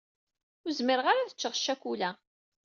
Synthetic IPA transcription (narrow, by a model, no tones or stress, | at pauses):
ʊzməɾəʁaɾaθə̥t͡ʃːəʁʃːækʷulæ